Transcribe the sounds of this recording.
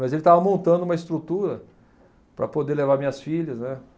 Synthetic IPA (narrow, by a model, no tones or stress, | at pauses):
mɐzelɪt̪avɐmõnt̪ɐ̃nd̪ʊũmɐɪst̪ɾut̪uɾɐ | pɾɐ̰pod̪elevaɾmĩɲɐsfiʎɐznɛ